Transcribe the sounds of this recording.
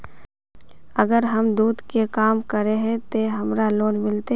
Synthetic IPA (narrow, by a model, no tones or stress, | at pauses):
əɡəɾɦɐmd̪uːd̪kekaːmkəɾẽɦɛ̃t̪eɦɐmɾaloːnmɪlt̪e